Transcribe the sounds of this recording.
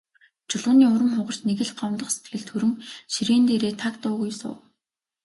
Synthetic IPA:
t͡ɕʊɮʁʊ̆niːʊɾə̆mχʊʁə̆r̥t͡ɕneɣɘ̆ɮɢɔw̪t̪ə̆χse̥t̪ɡɘ̆ɮt̪ʰxɵɾɘ̆ŋʃiɾeːnt̪eːɾeːt̪ʰakt̪ʊːɣujsʊ̰ː

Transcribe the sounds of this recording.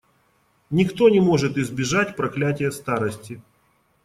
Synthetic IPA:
nʲɪkt̪o̞nʲɪmo̞ʐɨt̪ɪzbʲɪʐatʲpɾɐklʲætʲɪjəst̪aɾəsʲtʲɪ

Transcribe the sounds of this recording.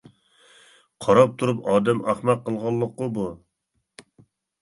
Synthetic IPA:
qʰɑɾɑp̚t̪ʰuɾupɑːd̪ɛmɑχmɑqːəlˠʁɑlˠːəqːʊbu

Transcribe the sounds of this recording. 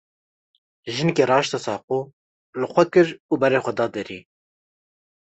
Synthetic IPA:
ʒɨnkeːɾɑːʃt̪ɑsɑːquː | lɨxʷɛkɨɾuːbɛɾeːxʷɛd̪ɑːd̪ɨɾḭː

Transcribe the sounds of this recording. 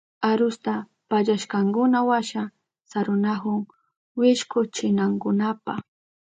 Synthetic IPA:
aɾʊst̪a | paʎaʃkaŋkʊnawaʃa | saɾʊnahʊŋ | wɪʃkʊt͡ʃɪnaŋkʊnapa

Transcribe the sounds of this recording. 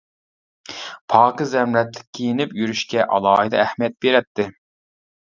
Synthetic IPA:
pʰɑːqɨzɛmlɛt̪lːɪ̥kʲʰːijinɪpjyɾyʃkʲɛʔɑ̰lˠɑːɦɨd̪ɑæhmijɛt̪̚beɾɛt̪ʰːɪ

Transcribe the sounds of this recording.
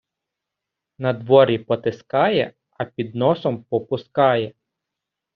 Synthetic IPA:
nɐd̪ʋɔɾʲipɔt̪ɪskɑjɛ̰ | ɐpʲid̪nɔsɔmpɔpʊskɑjɛ

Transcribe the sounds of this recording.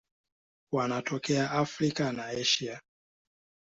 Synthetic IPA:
wanatʰɔkɛaʔafɾikanaɛʃia

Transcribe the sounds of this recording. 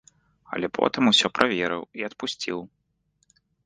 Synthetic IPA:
ɐ̰lʲɛpʰɔ̰t̪ɨmusʲɔpɾʔavʲɛɾɨ̰wiɐt̪pusʲt͡sʲiw

